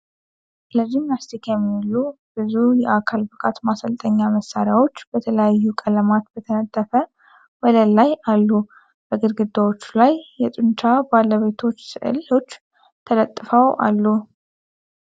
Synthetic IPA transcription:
ləd͡ʒimnast̪ʰikjɛmːiilːub̥ɨzujɛʔakʰalbɨkʼat̪masəlt̪ʼəɲːaməsːaɾjawo̞t͡ʃːbət̪ʰələjajːukʼələmat̪bət̪ʰənət̪ʰʼːəfə | wɔləlːajalːu | b̥əɡɨd̪ɡɨd̪ːawo̞t͡ʃːulajːɛt̪ʼɨnt͡ʃʰabalːəβet̪ʰo̞t͡ʃːsɨʔɨ̰lo̞t͡ʃː | t̪ʰələt̪ʼːfəwa̰lːu

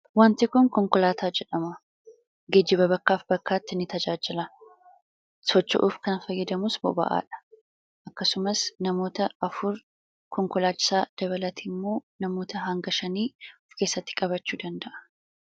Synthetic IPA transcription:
want̪ɪkʊŋkɔŋkɔlaːt̪aːd͡ʒɛᶑɐmɐ | ɡed͡ʒːɪbɐbɐkːaːfbɐkːaːt̪ːɪnːɪt̪ɐd͡ʒaːd͡ʒɪlɐ | sɔt͡ʃːɪ̰ʔufkɐnfɐjːɐd̪ɐmʊsbɔ̰bɐ̰ʔa̰ːᶑɐ̥ | ʔɐkːɐsʊmɐsnɐmo̞ːt̪ɐɐfʊɾ | kɔŋkɔlaːt͡ʃːɪ̥saːd̪̥ɐβɐlɐt̪ʰiːmːo̞ːnɐmo̞ːt̪ɐɦɐŋɡɐʃɐniːʊfke̞ːsːɐt̪ːɪ̥kʼɐβɐt͡ʃːuːd̪ɐnd̪ɐʔɐ̥

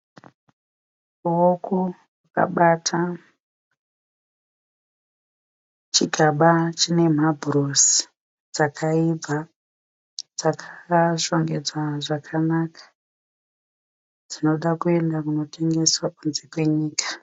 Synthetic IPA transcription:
uwoko | waka̰ɓatʰa | t͡ʃiɡʱaɓat͡ʃine̞m̤abʱuros | d͡zakʰaibʱa | d͡zakʰaʃo̞ŋɡe̞d͡zwaʐakʰanakḁ | d͡zino̞ɗakue̞ndakuno̞tʰe̞ŋɡe̞swakunze̞kwe̞ɲiːkḁ

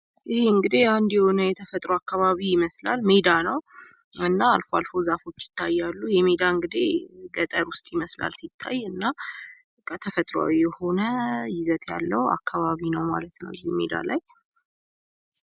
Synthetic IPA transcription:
ʔɪheɨŋɡɨd̪eand̪jɛho̞nəjɛt̪ʰəfət̪ʼɾoakːaβaβijɪməslalmed̪anəwɨnːaːlfoalfo̞zafo̞t͡ʃːjɪ̥t̪ʰːajːalːujɛmed̪aɨŋɡɨd̪ḛɡət̪ʼəɾwʊst̪ʼjɪməsla̰lsit̪ʰːa̰jːɨnːa | kʰʼət̪ʰəfət̪ʼɾoa̰wijɛho̞nəjɪzət̪ʰja̰lːəha̰kʰːaβaβinəwma̰lət̪nə̰wɨzːihmḛd̪a̰laj

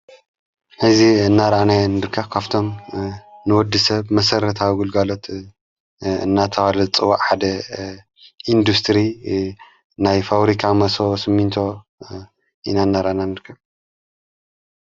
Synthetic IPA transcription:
ħɨziɨnːaɾananɨɾkʰːɐβkʰaβt̪ʰo̞m | nɨwɔd̪ːɨsɐβmɐsɐɾɐt̪ʰawiɡulɡalot̪ | ɨ̰nːat̪ʰɐwalɐt͡sʼɨwaʔħad̪ɐ | ʔind̪ust̪ʰɾi | najfaβɾikʰamɐsosɨmːint̪ʰo̞ | ʔinaɨnːaɾʔananɨɾkʰːɐβ

